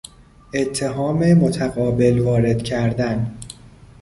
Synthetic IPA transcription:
ʔe̞t̪ʰːe̞ɦɒːmemo̞t̪ʰæɣɒːbe̞lvɒːɾe̞d̪cʰæɾd̪æn

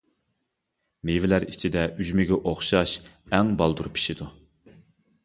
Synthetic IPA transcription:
mevɪlæɾit͡ʃʰid̪ɛyzmɪɡʲɛʔoχʃɑʃɛŋbɑlˠd̪uɾpʰi̥ʃid̪u

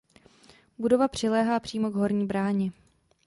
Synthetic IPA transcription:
budo̞vapr̝̥ɪlɛːɦaːpr̥iːmo̞ɡɦo̞ɾɲiːbɾaːɲɪ

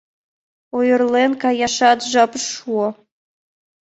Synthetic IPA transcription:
ojɤ̆rlenkɑjɑʃɑt̪ʒɑpʂuɤ̆

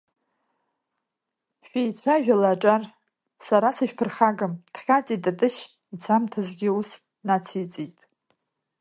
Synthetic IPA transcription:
ʃᶣejt͡ɕʷʰaʒᶣalaːʈ͡ʂʼar | saɾasaʃᶣpʰɨrχaɡamd̥χʲat͡sʼitʼatʼɨʃ | it͡sʰamtʰazɡʲɪus | nat͡sʰit͡sʼijtʼ

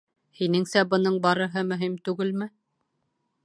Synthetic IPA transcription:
hinɘŋsæbɤ̆n̪ɤɴbɑɾɤ̆ɦɤmɵ̆ɦimt̪ʉɡɘlmɘ

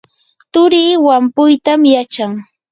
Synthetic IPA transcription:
t̪ʊɾiːwampʊjt̪amjat͡ʃaŋ

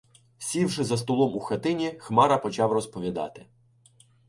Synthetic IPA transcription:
sʲiwʃɪzɐst̪ɔlˠɔmuxɐt̪ɪnʲixmɑɾɐpɔt͡ʃɑwrɔspɔʋʲid̪ɑ̰t̪ɪ̥

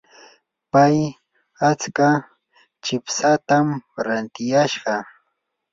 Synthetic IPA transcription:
paj | at͡ska | t͡ʃɪpsat̪amɾant̪ɪjaʃɢɑ

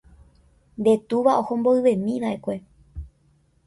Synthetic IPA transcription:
nd̪e̞t̪uʋaʔo̞hõ̞mboɨʋẽ̞mĩʋaʔe̞kʷe̞

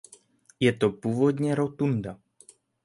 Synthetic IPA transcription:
jɛt̪o̞puːvo̞dɲɛɾo̞t̪unda

